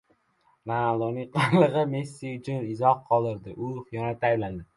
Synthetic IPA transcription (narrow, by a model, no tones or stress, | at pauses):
nalˠonɪŋqʰɨlɨʁɨmesːiʊt͡ʃʰʊnɪzɒhqʰɒlˠɪɾd̪ɪʔʊχjɒnat̪ʰaːjbland̪ɪ